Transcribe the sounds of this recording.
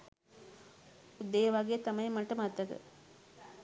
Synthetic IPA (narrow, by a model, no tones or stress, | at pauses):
ud̪ːejəʋaɡeːt̪amɐjmɐʈəmat̪ːɐkə̰